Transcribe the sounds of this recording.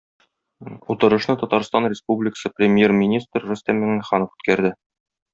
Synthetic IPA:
ut̪ɤ̆ɾɤ̆ʃnɤt̪ɒt̪ɑɾst̪ɑnrʲɪspublʲɪkə̥sɤprʲɪmʲjermʲɪnʲist̪rːusʲt̪æmmɘŋæχɑnɤfʉ̥t̪̚kæɾd̪ɘ

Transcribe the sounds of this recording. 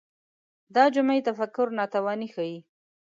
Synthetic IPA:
d̪ɑd͡ʒʊmajt̪afakʊɾnɑt̪awɑnixaji

